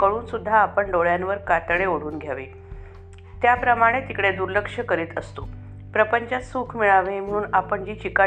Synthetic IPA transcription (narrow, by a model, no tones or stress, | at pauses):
kəɭuːnsud̪ʱːaːpəɳɖoɭjanʋəɾkat̪ɭeoɽ̤uːnɡʱjaʋḭː | t̪japɾəmaɽ̃et̪ikɽed̪uɾləkʂəkəɾiːt̪əst̪o | pɾəpəɲt͡ɕasuːkʰmiɭaʋem̤əɽ̃uːnapəɳd͡ʑiːt͡ɕika